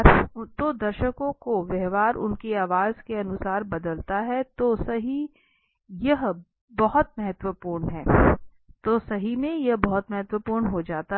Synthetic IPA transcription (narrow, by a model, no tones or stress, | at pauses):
t̪oːd̪ɐɾʃəkõkoʋɛɦʋaːɾʊ̰nkeaːʋaːzkeɐnʊsaːɾbɐd̪əlt̪aɦɛt̪osɐɦi | jɐɦ | bɐɦʊt̪̚mɐɦɛt̪wəpuːɾɳɦɛː | t̪oːsɐɦimẽjɐɦbɐɦʊt̪mɐɦɛt̪wəpuːɾɳɦod͡ʒaːt̪a